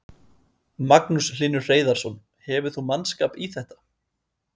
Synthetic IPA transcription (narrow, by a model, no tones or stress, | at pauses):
maknusliːnʏ̥r̥eːjðaɾ̥sɔn | hɛvʏ̥θumanskaːpiθɛht̪ḁ